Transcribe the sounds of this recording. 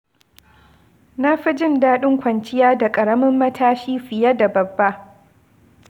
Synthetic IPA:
na˦ɸɪ˦d͡ʒɪ˦˨ndaː˦ɗɪ˦ŋkʷɐ˨nt͡ʃɪ˦jaː˦da˨kʼɐ˨ɽɐ˦mɪ˦mːɐ˦tʰaː˦ʃiː˦ɸɪ˨ja˦da˨bɐ˨bːa˦ʔ

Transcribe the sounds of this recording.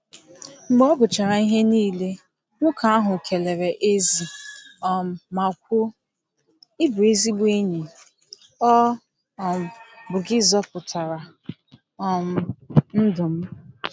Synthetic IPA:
m̩˨˦bɔ˦ɡʊ˨t͡ʃa˨ɾa˨i˦ɦe˦niː˦˨le˦ | ŋʷʊ˦ka˨a˦ɦʊ˨kʰe˨le˨ɾe˨ʔe˦zi˨ɔ˨m̩˨ma˨kʷʊ˦ | ɪ˦bʊ˨e˦zi˦bʷe˦ɲi˨ | ɔ˦ | ɔ˨m̩˨bʊ˨ɡɪ˦zɔ˦pʊ˨tʰa˨ɾa˨ | ɔ˨m̩˨n̩˦dʊ˨m̩˦

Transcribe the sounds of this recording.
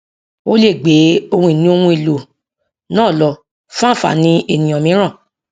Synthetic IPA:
o˦le˦˨ɡ͡be˨˦o˧hũ˧i˦˨nĩ˦o˧hũ˧i˨lo˨ | nãː˦˨lɔ˨ | fã˦˨fa̰˨nĩ˧˦e˨nĩ˨ɔ̃˨mĩ˨˦ɾ̃ã˦˨

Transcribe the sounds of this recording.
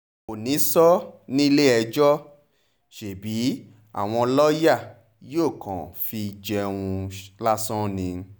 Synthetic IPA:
o˨nĩ˨˦sɔ˦nĩ˦le˦ɛ˧d͡ʒɔ˦ | ʃe˨bi˨˦ | a̰˦˨w̃ɔ̃˧lɔ˦ja˦˨ | joː˦˨kã̰˨fi˧d͡ʒɛ˧ũ˧la˦sɔ̃˦nĩ˧

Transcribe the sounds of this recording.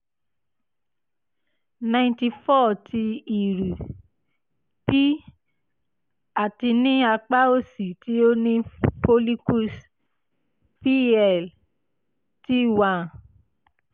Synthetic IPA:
nã˧ĩnti˧fɔ˦˨tʰi˧i˨ɾu˨ | pi˦ | a˨ti˧nĩ˦a˧k͡pa˦o˦si˨ti˨˦o˦nĩ˦po˧li˦ku˦˨s | pi˦ɛ˦˨l | ti˦˨wã˧

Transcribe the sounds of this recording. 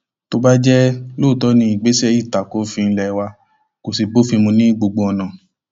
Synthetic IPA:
to˧ba˦d͡ʒɛ˦loː˦˨tɔ˨˦nĩ˧˦i˨ɡ͡be˨˦sɛ˧˦ji˦˨ta˨ko˨˦fĩ˧lɛ˨wa˧ | ko˨si˧bo˦fĩ˧mũ˧nĩ˦ɡ͡bo˧ɡ͡bo˧ɔ˧nã˨

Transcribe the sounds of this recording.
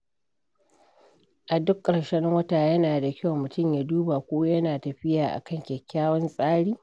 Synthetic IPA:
ʔa˨dʊ˦kʼːɐ˨ɽʃɐ˦ŋwɐ˦taː˨jɐ˦naː˨da˨kʲa˦wmʊ˨tʊ˦˨mjaː˨duː˦ba˨kʷoː˦jɐ˦naː˨tɐ˨ɸɪ˦jaː˨ʔa̰˨kɐ˦˨ŋkʲɛ˨kʲːaː˦wɐ˦nsʼaː˦ɽiː˦

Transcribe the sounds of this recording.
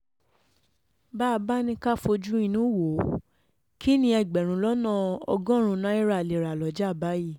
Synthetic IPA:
ba˦˧ba˦nĩ˧ka˦˨fo˧d͡ʒu˦i˧nũ˨˦wo˨˦ | kʰi˦nĩ˧˦ɛ˧˨ɡ͡bɛ˨ɾ̃ũ˨˦lɔ˦nã˦˨ɔ̰˧ɡɔ̃˦ɾ̃ũ˧nã˨˦i˦ɾa˨le˨ɾa˨lɔ˨˦d͡ʒa˦˨ba˨˦ji˦˨

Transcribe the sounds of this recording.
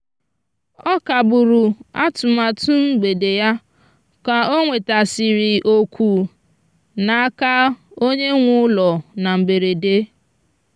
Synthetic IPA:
ɔ˦ka˨bʊ˨ɾʊ˨a˦tʊ˨ma˨tʊ˦ŋ͡m̩˦ɡ͡be˨de˨ja˦ | ka˨o˦ŋʷe˨ta˨sɪ˨ɾɪ˨ʔo˨kʷʰu˨ | na˨a˦ka˦o˦ɲe˦ŋʷʊ˦lɔ˨na˨m̩˨be˨ɾe˨de˦

